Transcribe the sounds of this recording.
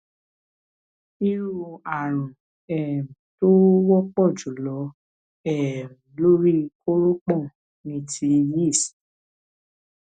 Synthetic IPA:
i˧ɾu˨˧a˨ɾ̃ũ˨ | ɛ˨m̃˨to˦wɔ˦k͡pɔ˦˨d͡ʒu˨˦lɔ˨˦ | ɛ˦˨ɾũ˨lo˦ɾi˦kʰo˦ɾo˦k͡pɔ̃˦˨ | nĩ˧˦ti˧ji˦˨si̥˨

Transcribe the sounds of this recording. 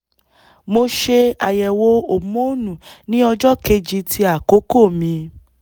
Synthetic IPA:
mo˧ʃe˧a˨jɛ˨wo˧o˨˦mo˦nũ˨nĩ˦ɔ˧d͡ʒɔ˦ke˧d͡ʒi˧˦tʰi˧a˦˨ko˨˦ko˦˨mĩ˧

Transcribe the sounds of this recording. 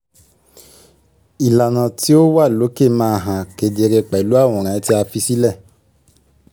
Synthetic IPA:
i˨la˨nã˨ti˦o˦wa˦˨lo˨˦ke˦˨mãː˦ɦã˨ke˨de˧ɾe˧k͡pɛ˨lu˨˦a˦˨w̃ɔ̃˨ɾ̃ã˨˦ti˦a˧fi˦si˦lɛ˦˨

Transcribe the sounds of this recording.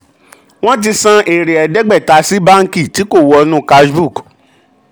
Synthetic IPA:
w̃ɔ̃˦t̬i˧sã˦ʔe˨ɾe˨ɛ˨dɛ˦ɡ͡bɛ˦˨ta˧˦si˦ba˦ŋ̩˦ki˦˨ti˨˦ko˦˨wɔ˧nũ˦ka˧sbu˦˨k

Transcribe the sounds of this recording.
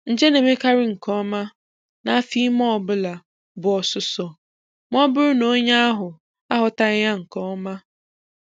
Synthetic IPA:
n̩˨d͡ʒe˦ne˨me˦ka˦ɾɪ˦ŋ̩˨kɔ˦ma˦ | na˦fi˦mɔ˦˨bʊ˦la˨ | bʊ˨ɔ˨sʊ˨sɔ˨ | m˦ɔ˦bʊ˦ɾʊ˦no˦ɲa˦a˦ɦʊ˨ | a˦ɦʊ˨ta˦ja˦ŋ̩˨kɔ˦ma˦

